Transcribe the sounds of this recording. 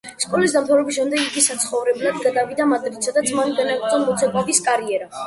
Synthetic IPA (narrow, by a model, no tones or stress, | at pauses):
skʼɔlis̬d̪amt̪ʰavɾɛbisʃɛmd̪ɛɡiɡisat̪sʰχɔvɾɛblad̪ɡad̪avid̪amad̪ɾit̪sʰɔd̪at̪sʰmanɡanak̪ʼzʼɔmmɔt̪sʰɛkʼɔbiskʼaɾiɛɾa